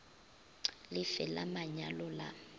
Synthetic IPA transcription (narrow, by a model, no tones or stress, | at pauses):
lɪfɛla̰maɲalɔla̰